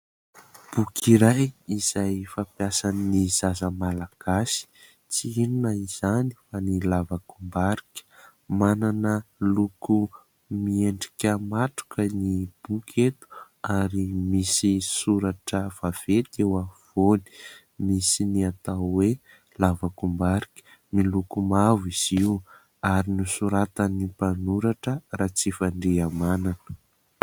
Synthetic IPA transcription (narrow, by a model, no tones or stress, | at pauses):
b̥ukʰiɾajiz̥ajfapjasaninizazəmalaɡ̥asi̥ | t͡siinunəiz̥ani̥fanilavakumbaɾikʲə̥ | mananəluku | mieɳɖ͡ʐikʲəmatu̥kənib̥ukʰet̪u̥ | aɾimisisuɾaʈ͡ʂəv̥av̥et̪ewav̥oni̥ | misiniat̪awwe | lavakumbaɾikʲi̥ | milukumaviz̥iu | aɾinusuɾat̪ənipanuɾaʈ͡ʂərat͡sifaɳɖ͡ʐeamananə